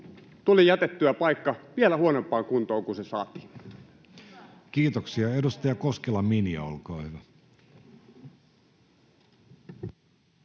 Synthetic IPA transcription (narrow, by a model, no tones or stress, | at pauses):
t̪ulijæt̪et̪ːyæpɑikːɑʋielæhuonompːˑɑːŋkunt̪oːŋkunsesɑ̰ːt̪i̥ | kiːt̪oksiɑedust̪ɑjɑkoskelɑminiɑ̰o̰lkoːhyʋæ